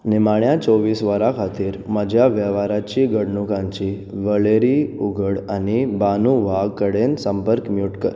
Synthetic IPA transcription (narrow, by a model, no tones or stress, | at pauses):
nimaɳjat͡soʋiːsʋəɾakʰat̪iːɾməd͡ʑʱjaʋjəʋaɾat͡ɕiɡʱəɽɳukãɲt͡ɕi | ʋəɭeɾiuɡʱəɽanibanuʋʱaɡkəɽensəmpəɾkmjuʈkəɾ